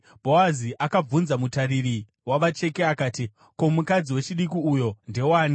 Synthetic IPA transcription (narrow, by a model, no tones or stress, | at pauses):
bʱowaziʔakab͡vunzamutariri | waʋat͡ʃe̞keakaːti | ko̞mukad͡ziwe̞t͡ʃiɗikiujo̞nde̞waːni